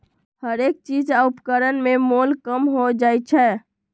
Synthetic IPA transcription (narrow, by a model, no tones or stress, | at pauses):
həɾek̚t͡ʃid͡ʒaupkəɾənmemolkəmɦod͡ʒajt͡ʃʰɛ